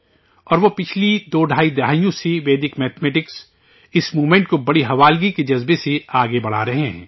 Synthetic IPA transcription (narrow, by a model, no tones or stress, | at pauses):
ɔːɾʋopɪt͡ʃʰlid̪oːɖʱaːid̪ɪɦaːijõseʋeːd̪ɪkmɛːt̪ʰmɛːʈɪks | ɪsmuːmẽːɳʈ̚kobɐɽiɦɐʋaːlɡiked͡ʒɐzbeseaːɡebɐɽ̤a̰ːɾɐɦeɦɛ̰̃ː